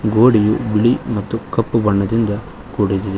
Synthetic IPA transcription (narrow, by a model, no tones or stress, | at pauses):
ɡoːɽijubiɭimɐt̪ːukɐpːubɐɳːɐd̪ind̪ɐ | ɡ̥oːɽid̪id̪e